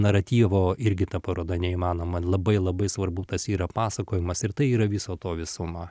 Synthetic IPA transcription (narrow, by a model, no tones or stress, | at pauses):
nɐɾɐt̪ʲiːʋoːɪɾʲɡʲɪt̪ɐpɐɾoːd̪ɐnʲɛiːmɑːnoːmɐlˠɐbɐɪlˠɐbɐɪsʋɐrbʊt̪ɐsiːɾɐpɑːsɐkoːjɪmɐsɪɾt̪ɐɪiːɾɐʋʲɪsoːt̪oːʋʲɪsʊmɐ